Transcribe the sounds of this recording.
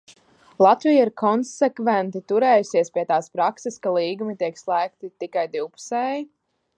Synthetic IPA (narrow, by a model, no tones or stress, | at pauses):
lˠɑt̪vijaiɾkʰɔnsɛkvɛnt̪it̪uɾɛːjusiɛspiɛt̪aːspɾakseskalˠiːɡumit̪iɛkslˠæːk̚t̪it̪ikajd̪iwpu̥sɛːji